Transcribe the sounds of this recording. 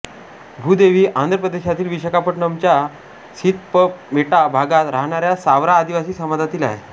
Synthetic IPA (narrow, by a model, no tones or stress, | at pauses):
bʱuːd̪eʋiːʔand̪ɾəpɾəd̪eɕat̪iːlʋiɕəkapəʈɳəmt͡ɕja | sit̪̚pəpʋeʈabʱaɡat̪ɾaɦɳ̃aɾjasaʋɾaːd̪iʋasiːsəmad̪ʱat̪iːla̰ɦe